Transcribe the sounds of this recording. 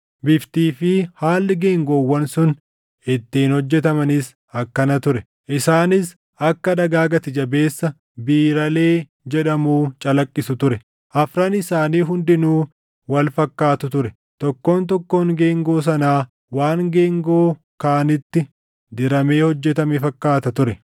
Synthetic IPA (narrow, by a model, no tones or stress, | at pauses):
bɪft̪iːfɪhaːlːɪɡe̞ːŋɡo̞ːwːɐnsʊn | ɪt̪ːiːnhɔd͡ʒːɛt̪ɐmɐnɪs | ɐkːɐnɐt̪ʊɾɛ | ʔɪsaːnɪs | ʔɐkːɐd̪ɐɡaːɡɐt̪ɪd͡ʒɐbe̞ːsːɐ | biːɾɐle̞ː | d͡ʒɛᶑɐmuːt͡ʃʼɐlɐkʼːɪsʊt̪ʊɾɛ | ʔɐfɾɐnɪsaːniːɦʊnd̪ɪnuː | wɐlfɐkːaːt̪ʊt̪ʊɾɛ | t̪ɔkːo̞ːnt̪ɔkːoːŋɡe̞ːŋɡo̞ːs̬ɐnaː | waːŋɡe̞ːŋɡo̞ː | kaːnɪt̪ːɪ | d̪ɪɾɐme̞ːhɔd͡ʒːɛt̪ɐmɛfɐkːaːt̪ɐt̪ʊɾɛ